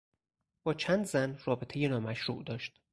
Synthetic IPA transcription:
b̥ɒːt͡ʃʰænd̪zænrɒːbet̪ʰe̞jenɒːmæʃɾuːʔd̪ɒːʃt̪

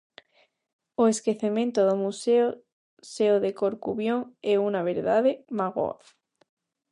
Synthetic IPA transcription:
oeskeθemẽnt̪oðomuseo | seoðekoɾkuβjoŋeunaβ̞eɾðaðemaɣo̰a̰

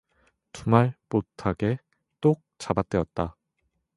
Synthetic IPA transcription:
tumaɭpotʰaɡe̞ | t͈ok̚t͡ɕ͈abat͈eʌt̚t͈a

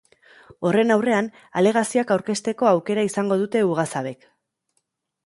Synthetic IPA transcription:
o̞re̞nawre̞an | ale̞ɣ̞asioakawɾke̞st̪e̞ko̞awke̞ɾaisaŋɡo̞ð̞ut̪e̞uɣ̞asaβe̞k

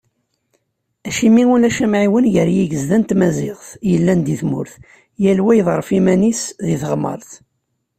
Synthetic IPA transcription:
æʃimiulæʃæmʕiwənjəɾjiʝəzðænt̪mæzɪʁθjəlːænd̪iθmʊ̰ɾθ | jælwæjəðˤɾˤəfimænisðiθʁmːə̰ɾˤθ

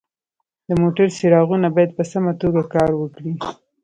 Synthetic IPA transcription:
d̪əmoʈaɾsiɾɑɣunabɑjad̪̚pəsamat̪oɡakɑɾwəkɽi

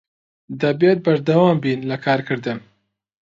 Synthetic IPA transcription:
d̪ɐbet̪̚bɐɾd̪ɐwɑːmbiːnlɐkʰaːɾkɨɾd̪ɨm

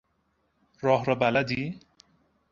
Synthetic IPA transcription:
rʌɦɾʌbalad̪i

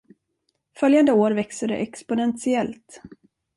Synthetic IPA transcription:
fœljand̪əoːɾvɛksəɖɛ̰ʔɛkspʊnɛnsɪɛlt̪

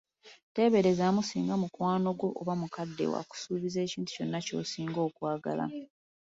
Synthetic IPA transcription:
te̞βe̞ɾe̞zaːmusiːŋɡamukwaːno̞ɡo̞ʔːβamukadːe̞̰wa̰ku̥suːβize̞ːciːntu̥co̞nːaco̞̰ːsiːŋɡo̞ːkwaːɡa̰la̰

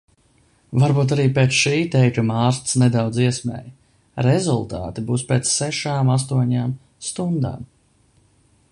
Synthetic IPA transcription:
vaɾbuːt̪̬aɾiːpet̪sʃiːt̪ɛjkumaːɾst̪snɛd̪awd̪ziɛsmɛ̰ːj | ɾɛzulˠt̪a̰ːt̪ibuːspʲeːt̪sːɛʃaːmas̬t̪uɔɲaːm | st̪und̪a̰ːm

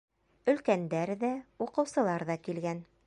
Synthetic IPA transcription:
ɵ̆lkænd̪æɾðæuqɤ̆wsɤ̆lˠɑɾðɑkilɡæn

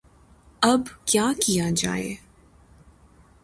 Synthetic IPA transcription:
ɐbkjaːkijad͡ʒa̰ːḛ

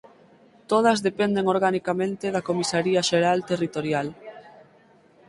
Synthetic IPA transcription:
t̪oð̞ɐzðepɛnd̪eŋoɾɣ̞anikamẽnt̪eðakomisaɾiaʃeɾalt̪erit̪oɾjal

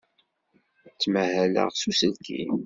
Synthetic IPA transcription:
t͡sːməhælə̰ʁsusəlkʰḭ

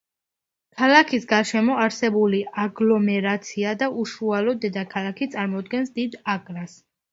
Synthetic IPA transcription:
kʰalakʰisɡaɾʃɛmɔaɾsɛbuliaɡlɔmɛɾat̪sʰiad̪aʔuʃualɔd̪ɛd̪akʰalakʰit̪sʼaɾmɔd̪ɡɛnsd̪id̪akʼɾas

